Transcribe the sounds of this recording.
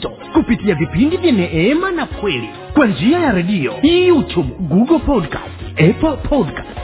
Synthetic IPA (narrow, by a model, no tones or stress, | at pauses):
tɔ | kupitiavipindivjɛnɛʔɛmanakʰwɛlḭ | kwand͡ʒiajaɾeɗiɔ̰jijutʰubɡuɡɔlpʰɔdka̰stɛpɔlpʰɔdkḁstt